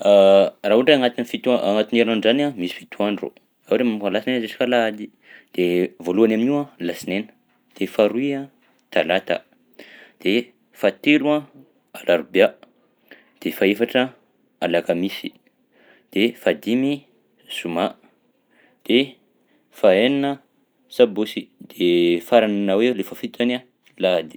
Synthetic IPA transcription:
raɦuɳɖ͡ʐeaŋat̪inifit̪uaʔaŋat̪ineɾnanzanamisi̥fit̪uanɖ͡ʐo̰ | auɖ͡ʐemamukalasinenəzeʈ͡ʂi̥kalad̪i | d̪̥evoluanaminialasinenə̥ | d̪̥efaɾuiã | t̪alat̪a̰ | d̪̥e | fat̪eluã | alaɾubea | d̪̥efaefaʈ͡ʂə | alakamisi | d̪̥efad̪imi | z̥uma | d̪̥e | faeninə | sabosid̪̥efaɾananawelefəfit̪ana | lad̪i̥

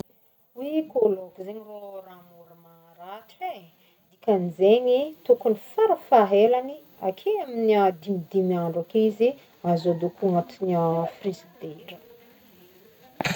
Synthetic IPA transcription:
wikolokuzeɲiroramuɾəma | ɾate | d̪ikanizeɲit̪ukunifaɾəfaɦelani | akʰeaminiad̪imid̪imiaɳɖ͡ʐakizi | azod̪ukuŋat̪iniəfrizid̪eɾə

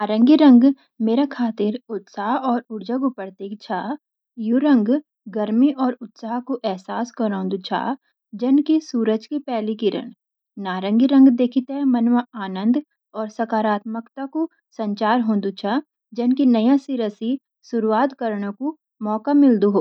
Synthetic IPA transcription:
aːɾə̃ŋɡiɾɐ̃ŋɡ | meːɾakʰaːt̪ɪɾʊt̪saːɦɔːɾʊɾd͡ʒəɡʊpəɾt̪eːkt͡ʃʰaː | juɾə̃ŋɡ | ɡɐɾmiʔɔːɾʊt̪saːɦkoʔɛɦsaːskɐɾõːnd̪ut͡ʃʰa̰ː | d͡ʒɪnkisuːɾəd͡ʒkipɛːlikiɾə̰ñ | naːɾə̃ŋɡiɾə̃ŋɡd̪eːkʰit̪ɛmɐnwaaːnə̃nd̪ | ɔːɾsɐkaːɾaːt̪məkt̪ako | sɐ̃ɲt͡ʃaːɾɦõːnd̪ut͡ʃʰaː | d͡ʒɐnkinɐjãsiɾəsi | sʊɾuaːt̪kɐɾɽ̃õku | mɔːkamɪld̪uɦoː

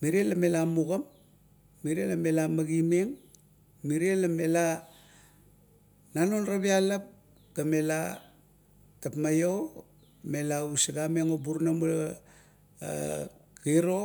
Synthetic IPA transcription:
miɾielamelamuɡamː | iɾielame̞lamaɡimeŋ | miɾielame̞la | nanonrabialap̚ | ɡ̥ame̞la | tapmajo | me̞lausiɡameŋobuɾnamu | kiɾo

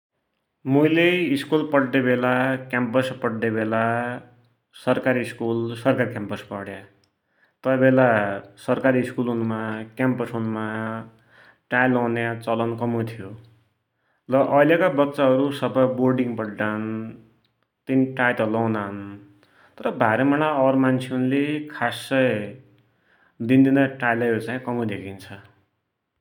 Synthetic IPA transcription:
mujleiskulpʌɽːebʱelakʲjampʌspʌɽːebela | sʌrkaɾiːskulsʌrkaɾikjampʌspʌɽja | t̪ʌbʱelasʌrkaɾiːskulunumakʲampʌsɦunuma | ʈajlʌwnjat͡sʌlʌnkʌmut̪ʰijo | rʌʔʌjljekabʌt̪ːt͡saɦʌɾusʌbʌjborɖiŋbʌɽan | t̪iniʈajʈ̪ʌlːʌwnan | t̪ʌɾʌbʱaɾʌmañaʌɾmant͡sʰeunlekʰasːʌj | d̪ind̪inʌʈajlʌʌɾut͡saĩkʌmud̪ekʰint͡sʰʌ

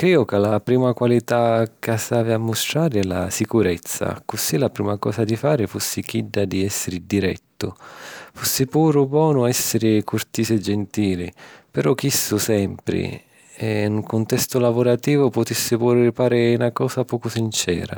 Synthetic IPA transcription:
kɾiːʊkalapɾiːmakwalit̪akasaːviamːʊst̪ɾaːɾɪɛla̰sikuɾɛt̪sːa̰kʊsilapɾiːmakɔːsad̪ifaːɾɪfusːik̟idːad̪iɛsːɪɾɪd̪iɾɛ̰t̪ːʊfusːɪpuːɾʊbwɔːnʊɛsːɪɾɪkurt̪iːsɛd͡ʒːent̪iːlɪpɪɾɔkisːʊsɛmpɾɪ̰ | ɛŋkʊnt̪ɛst̪ʊlavʊɾat̪iːvʊpʊt̪isːɪpuːɾɪfaːɾɪnakɔːsapɔːkʊsint͡ʃɛ̰ːɾa̰

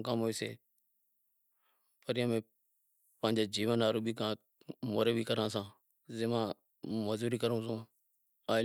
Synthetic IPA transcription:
kamoːiːsḛː | pəɾijãːmẽː | pə̃ːɪɲd͡ʒaːd͡ʒiːʋənaːɾũːbʱiːkãː | moːɾeːbʱiːkəɾãːsãː | zeːmãː | məzuːɾiːkəɾũːsũː | aː

